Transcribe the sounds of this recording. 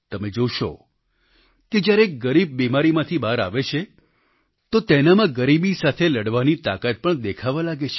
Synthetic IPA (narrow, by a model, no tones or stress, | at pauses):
t̪əmed͡ʒoʃo̰ | ked͡ʒjaɾeɡəɾib̚bimaɾimãt̪ʰibaɾa̰ʋet͡ʃʰe | t̪ot̪enamãɡəɾibisat̪ʰeləɽʋanit̪a̰kat̪̚pəɳd̪ekʰaʋalaɡet͡ʃʰe̥